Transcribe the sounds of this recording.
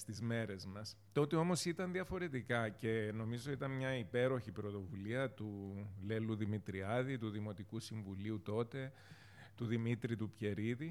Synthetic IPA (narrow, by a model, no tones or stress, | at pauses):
st̪izme̞ɾe̞zmɐs | t̪o̞t̪io̞mo̞sit̪ɐnðiɐfo̞ɾe̞t̪ikɐce̞no̞mizo̞it̪ɐnmɲɐipe̞ɾo̞çipɾo̞t̪o̞vuliɐt̪ule̞luðimit̪ɾiɐðit̪uðimo̞t̪ikusiɱvuliut̪o̞t̪e̞ | t̪uðimit̪ɾit̪upçe̞ɾiði